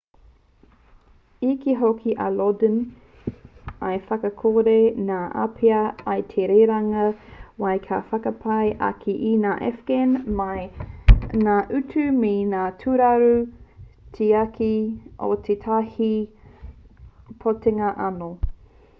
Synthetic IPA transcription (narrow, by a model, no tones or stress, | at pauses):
ikiɦokʰiʔɐlodən | ɐjfɐkɐkʰoɾenaːʔa̰pʰeɐɐjtʰeɾeːɾɐŋɐwɐjkʰafɐkɐpʰɐjʔɐ̰kʰiʔinaːʔɛ̰fɡenmɐj | naːʔʉtʰʉmenaːtʰuɾɐɾu | tʰeakʰiʔo̰t̪ʰetʰahi | pʰoteŋɐʔɐno